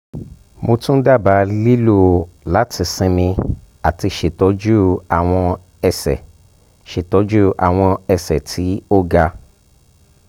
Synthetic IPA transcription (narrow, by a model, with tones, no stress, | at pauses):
mo˧tũ˦da˦˨ba˨˦li˦lo˦˨la˨˦tʰi˧sĩ˧mĩ˧ | a˨ti˧ʃe˨tɔ˨˦d͡ʒu˦a˨w̃ɔ̃˧ | ɛ˧sɛ̰˨ | ʃe˨tɔ˨˦d͡ʒu˦ʔa̰˨w̃ɔ̃˧ɛ˧sɛ̰˨tʰi˨˦o˦ɡa˧